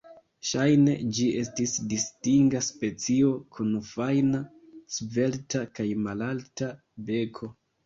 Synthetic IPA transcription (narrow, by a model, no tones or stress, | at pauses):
ʃajne̞d͡ʒie̞stisdistiŋɡaspe̞t͡sio̞kʰunfajna | sve̞ltakajmalalta | be̞kʰo̞